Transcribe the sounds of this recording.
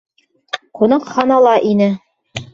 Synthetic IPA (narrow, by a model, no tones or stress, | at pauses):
qunɑqhɑnɑlˠɑʔinɘ